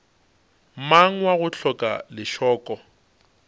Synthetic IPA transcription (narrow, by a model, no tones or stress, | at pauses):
maŋ̩waɣʊɬʰɔkʼa̰lɪʃɔːkʼɔ